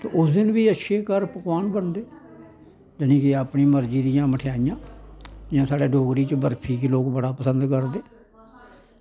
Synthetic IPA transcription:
t̪eːʔʊsd̪ɪnbiːətːʃʰeːkəɾpəkʋaːnbənd̪eː | d͡ʒənĩːkɪaːpniːməɾd͡ʒiːd̪ɪjãːməʈʰejaːɪjãːd͡ʒãːsaːɽeːɖoːɡɾiːt͡ʃəbəɾpʰiːkiloːkbəɽaːpəsənd̪kəɾd̪eː

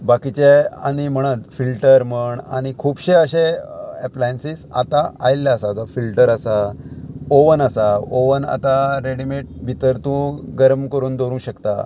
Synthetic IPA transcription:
bakit͡ɕea̰ɽ̃im̤əɽ̃ət̪filʈəɾm̤əɳa̰ɽ̃ikʰuːbɕeəɕeɛplajensiːsa̰t̪aajlːaːsad͡zɔfilʈəɾasa | oʋənəsaoʋəna̰t̪aɾeɽimeʈ̚bʱit̪əɾt̪ũɡəɾmkəɾuːnd̪ʱoɾũɕəkt̪a̰

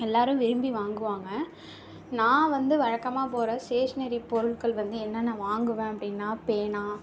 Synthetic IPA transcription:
ɛlːaːɾɯ̃ʋɪɾɯmbiʋaːŋɡɯʋaːŋɡɐ̃ | nãːʋɐnd̪ɯʋɐɻɐkːɐmaːpoːɾɐseːʂnɐɾipɔɾɯɭkɐɭʋɐnd̪ɯɛnːɐnːaʋaːŋɡɯʋẽːɐpːɐɽɪnːaːpeːnaː

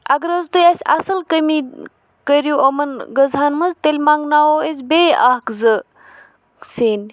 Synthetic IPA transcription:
ɐɡɾɐzt̪ɨjasʲa̰səlkəmi | kəɾijuʔɐmɐnɡəzanmɐzt̪elʲmaŋɡnawoezbeakzɨ | seːn

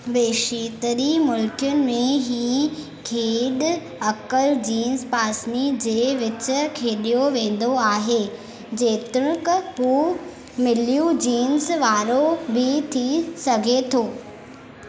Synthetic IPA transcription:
ʋeːʃiːt̪əɾimʊlkɪjʊnɪ̆mẽɦiː | kʰeːɗ | ɐkəld͡ʑiːnzpaːsnid͡ʑeːʋɪt͡ɕʊ̆kʰeːɗijoʋẽːn̆d̪oaːɦeː | d͡ʑeːt̪ɪɾ̃kɦuː | mɪljũd͡ʑiːnsʋaːɾobɪt̪ʰisɐɡʱet̪ʰoː

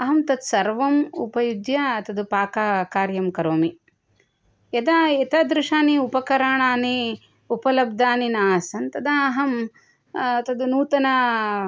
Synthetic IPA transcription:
ɐɦɐmt̪ɐt̪sɐɾʋɐmṵpɐjud̪jɐɐt̪ɐd̪upaːkaːkaːɾjɐmkɐɾoːmi | jɐd̪aet̪ɐd̪ɾuʂaːniupɐkɐɾaːɳaːni | upɐlɐb̚d̪aːninaːsɐnt̪ɐd̪ɐːɦɐm | ɐt̪ɐd̪unuːt̪ɐnɐ

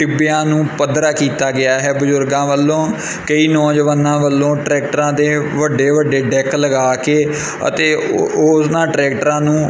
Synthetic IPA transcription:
ʈɪbjãːnũːpəd̪ɾaːkiːt̪aːɡɪaːɦɛːbʊzʊɾɡãːʋəlːõː | kəiːnɔːd͡ʒəʋaːnãːʋəlːõːʈɾɛːk̚ʈəɾãːd̪eːʋəɖeːʋəɖeːɖɛːkləɡaːkeː | ə̰t̪eːosnãːʈɾɛːkʈəɾãːnũː

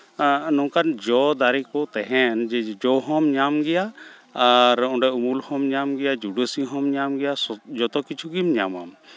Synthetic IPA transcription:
nɔwkand͡ʒɔd̪aɾikɔt̪ɛɦɛnd͡ʒɛd͡ʒɔɦɔmɲamɡɛjaː | ɾɔ̃ɖajumulhɔmɲamɡɛjad͡ʒuɖəsiɦɔmɲamɡɛjasɔd͡ʒɔt̪ɔkit͡ʃʰuɡimɲama̰m

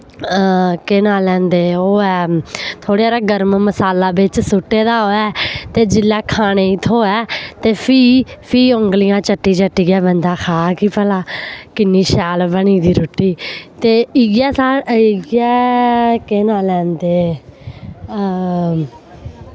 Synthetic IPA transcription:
keːnaːlɛ̃ːnd̪eːoːɛːt̪ʰoːɽejaːɾaːɡəɾmməsaːlaːbɪt͡ʃsʊʈːeːd̪aːoːɛːt̪eːd͡ʒɪlːɛːkʰaːneːɪt̪ʰoːɛːt̪eːpʰiːpʰiːõŋɡlɪjãːt͡ʃəʈːiːt͡ʃəʈːiːɡɛːbənd̪aːxʰaːkiːpəlaːkɪnːiːʃɛːlbəɳiːd̪iːɾoːʈːiːt̪eːɪɡɛːsaːɪɡɛːkeːnaːlɛ̃ːnd̪eː

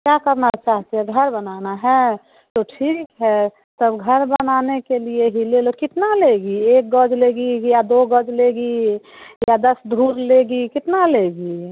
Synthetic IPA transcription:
kjakəɾnat͡ʃaːɦt̪eɦɛɡʱəɾbənanaɦɛ | t̪oʈʰiːkɦɛ | t̪əbɡʱəɾbənaːnekelieɦilelokɪt̪naleɡiek̚ɡɔd͡ʒleɡijad̪oɡəd͡ʒleɡi | jad̪əsd̪ʱuːɾleɡikɪt̪naleɡi

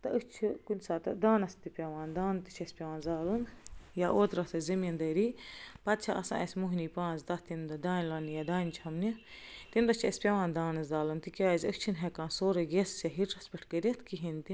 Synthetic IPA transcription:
t̪ɐʔəkt͡ʃʰikunʲsaːt̪ɐd̪aːnɐst̪ipʲɐʋãːnd̪aːnt̪ɨt͡ʃʰɐsʲpʲɐʋãːnzaːlunjaʔoːt̪ɾɐt̪ɐzɐmʲɐnd̪ɐːɾiːpɐt̪̚t͡ʃʰɐʔɐ̰sã̰ːʔɐ̰sʲmuɦniːpãːnzd̪ɐt̪ind̪ɐd̪aːnʲlaːnijad̪aːnʲt͡ʃʰɐmnit̪inɾɐt͡ʃʰɐsʲpʲɐʋãːnd̪aːnɨzaːlɨnt̪ikʲaːzʲəkʰt͡ʃʰinɦekãːnsoːɾɐɡessʲɐɦiʈɾɐspʲɐʈʰkəɾʲɐt̪ʰkiɦint̪i

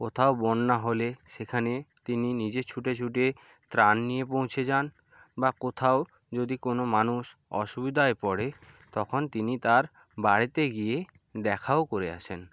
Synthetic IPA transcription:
kot̪ʰaobɔnːaɦoleʃekʰanet̪ininid͡ʑet͡ɕʰuʈet͡ɕʰuʈ̬e | t̪ɾanːijepõw̃t͡ɕʰed͡ʑan | bakot̪ʰao | d͡ʑod̪ikonomanuʃɔ̰ʃubid̪ʱaepɔɽe | t̪ɔkʰont̪init̪aɾ | baɽit̪eɡie | d̪ɛkʰaokoɾea̰ʃʰen

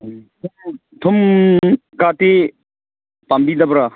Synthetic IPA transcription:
t̪ʰum | t̪ʰum | kat̪e | pambid̪abɾa

